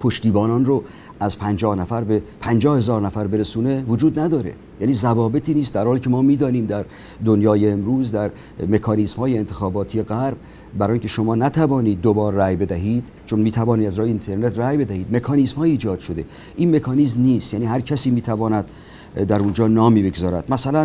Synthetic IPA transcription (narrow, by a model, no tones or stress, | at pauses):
pʰoʃt̪iːbɒːnɒːnro | ʔæzpʰænd͡ʒɒːhnæfæɾbe̞pʰænd͡ʒɒːhe̞zɒːɾnæfæɾbe̞ɾesuːne̞vod͡ʒuːd̪næd̪ɒːɾe̞̰ | jæːniːzævɒːbe̞t̪ʰiːniːst̪d̪æɾhɒːliːcʰemɒːmiːd̪ɒːniːmd̪æɾ | d̪onjɒːjeːmɾuːzd̪æɾ | me̞kʰɒːniːsmhɒːjeːnt̪ʰexɒːbɒːt̪ʰijeɣæɾb̚ | bæɾɒːjiŋʲcʰeʃomɒːnæt̪ʰævɒːniːd̪̚ːobɒːɾːæjbe̞d̪æɦiːd̪̥ | t͡ʃʰonmiːt̪ʰævɒːnid̪æzɾɒːjeint̪ʰe̞ɾne̞t̪ʰræjbe̞d̪æhiːd̪me̞kʰɒːniːsmhɒːiːd͡ʒɒːd̪̥ʃo̞d̪e̞ | ʔiːnme̞kʰɒːnizmniːst̪jæniːɦæɾcʰæsiːmiːt̪ʰævɒːnæd̪̥ | d̪æɾund͡ʒɒːnɒːmiːbeɡzɒːɾæd̪mæsælæn